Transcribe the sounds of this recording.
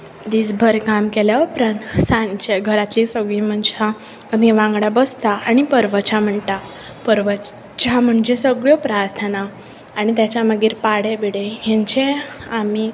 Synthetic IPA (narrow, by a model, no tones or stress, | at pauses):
d̪it͡sbʱəɾkamkeljaupɾãnt̪sãnt͡ɕeɡʱəɾat̪lisəɡɭiːm̤əɳd͡ʑeɦa | amiʋãŋɡɽabəst̪aaɽ̃ipəɾʋət͡ɕam̤əɳt̪a | pəɾʋə | t͡ɕam̤əɳd͡ʑesəɡɭjɔpɾaɾt̪ʰənaː | ɽ̃it̪jat͡ɕjaməɡiːɾpaɽebiɽeɦɛ̃ɲt͡ɕeami